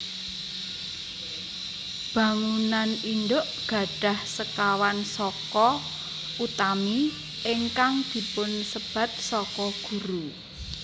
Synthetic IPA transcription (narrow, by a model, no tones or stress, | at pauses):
b̥ä̤ŋunanindoʔɡ̥a̤ɖ̥a̤hsəkawansɔkɔ | ut̪ami | ʔɪŋkaŋd̪̥i̤pʊnsəb̥ä̤t̪̚sɔkɔɡ̥ṳɾu